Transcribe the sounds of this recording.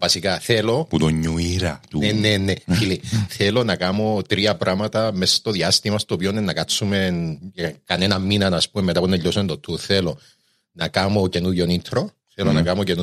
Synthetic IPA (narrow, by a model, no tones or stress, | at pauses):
vɐsikaθelo̞put̪oɲːuiɾɐt̪unenefiliθelo̞nɐkamo̞t̪ɾiɐpɾʔamɐt̪ɐmest̪oðiɐst̪imɐst̪oːpionenːɐkat͡sːumenekanenɐmːinɐnɐspumemːet̪apunːɐʎːosument̪ot̪ʰːuθelo̞ | nɐkamocenuʎːonint̪ʰɾo | θelonɐkamocenu